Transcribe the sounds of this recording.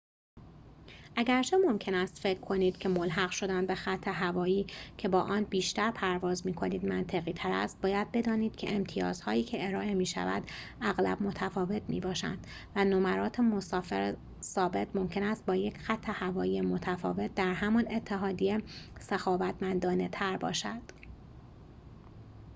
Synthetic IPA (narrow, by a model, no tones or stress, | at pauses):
ʔæɟæɾt͡ʃʰe̞mo̞mcʰe̞næst̪fecʰkʰo̞niːd̪̥cʰe̞molɦæɣʃo̞d̪ænd̪be̞xæt̪ʰːe̞ɦævɒːjiːcʰe̞bɒːʔɒːnbiːʃt̪æɾpʰæɾvɒːzmiːkʰo̞niːd̪mænt̪ʰe̞ɣiːt̪ʰæɾæ̰st̪̚bɒːjæd̪̚be̞d̪ɒːniːd̪̥̚cʰeemt̪ʰijɒ̰ːz̥hɒːjiːcʰeeɾɒːʔe̞miːʃæ̰væ̰d̪̥ | æɣlæ̰bmo̞t̪ʰæfɒːve̞t̪ʰmḭːbɒːʃæ̰nd̪̥ | vænomæɾɒːt̪ʰemosɒːfeɾ | sɒːbe̞t̪mo̞mcʰe̞næst̪̚bɒːje̞cxæt̪ʰːe̞hævɒːjiːjemo̞t̪ʰæfɒ̰ːve̞t̪̚ʰd̪æɾɦæmɒne̞t̪ʰːe̞ɦɒːd̪ijesexɒːvæt̪ʰmænd̪ɒːnet̪ʰæɾbɒ̰ːʃæd̪̥